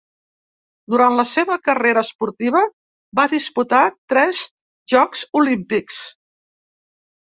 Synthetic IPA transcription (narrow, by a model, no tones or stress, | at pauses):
d̪uɾant̪ləseβəkəreɾəːspuɾt̪iβ̞ə | baðisput̪at̪ɾɛz | ʒɔkzulimpiks